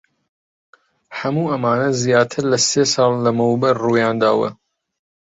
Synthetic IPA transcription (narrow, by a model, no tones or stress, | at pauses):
hɐmuːʔɐmaːnɐzijaːt̪ʰɨɾlɐseːsɑːlːɐmɐwbɐrruːjɑːnd̪a̰ːwɐ̰